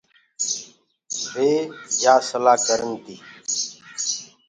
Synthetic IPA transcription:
beːd͡ʒʱaːsəlaːkəɾənt̪iː

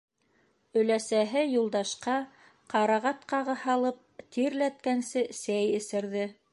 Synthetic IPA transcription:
ɵ̆læsæɦɘjulˠd̪ɑʃqɑ | qɑɾɑʁɑt̪qɑʁɤhɑlˠɤp̚t̪iɾlæt̪̚kænsɘsæjɘ̆sɘ̆ɾðɘ

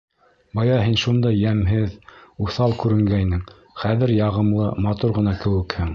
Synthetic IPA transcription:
bɑjɑɦinʃund̪ɑjæmɦɘðuθɑlˠkʉɾɘ̆ŋɡæjnɘŋ | χæðɘɾjɑʁɤ̆mlˠɤmɑt̪uɾʁɤ̆nɑkɘ̆wɘ̆khɘŋ

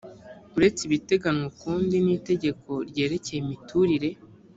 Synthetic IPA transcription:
uɾe̞t͡siβite̞ɡanokuːndiniːte̞ɟe̞kʰo̞ɾɟe̞ːɾe̞ce̞jimitʰuɾiɾe̞

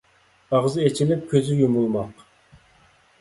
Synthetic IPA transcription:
ɑʁzɨet͡ʃʰilɪp̚kʲʰøzɪjumulˠmɑq

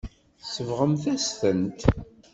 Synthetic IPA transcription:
səvʁəmθæsθənt̪

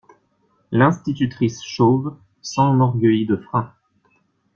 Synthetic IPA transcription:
lɛ̃st̪it̪yt̪χisʃov | sɑ̃nɔʁɡʲəjid̪əfχɛ̃

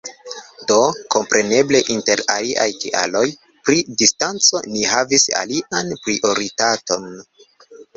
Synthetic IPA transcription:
do̞ko̞mpɾʔe̞ne̞ble̞ʔinte̞ɾaliʔajtḭʔa̰lo̞j | pɾidistant͡so̞nihavisa̰liʔanpɾiʔo̞ɾitato̞n

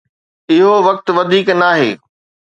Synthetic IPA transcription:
ɪɦoʋɐk̚t̪ʋɐd̪ʱiːknaːɦeː

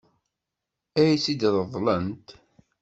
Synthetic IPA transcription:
æjsid̪ðəðˤlənt̪

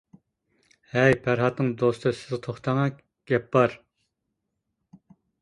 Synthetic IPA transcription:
hɛjpʰæɾɦɑt̪nɨŋd̪ost̪ʰɨsɪ̥zʁt̪ʰoχt̪ʰɑŋɑ | ɡ̥ʲɛpːɑɾ

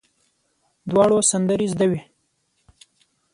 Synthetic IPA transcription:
d̪wɑɽosand̪əɾizd̪awi

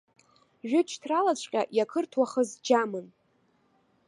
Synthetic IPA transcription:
ʒᶣʊt͡ʃʰtʰralat͡ɕʷʰʼqʲʼa̰ʔjakʰɨrtʰwaχəzd͡ʒamɨn

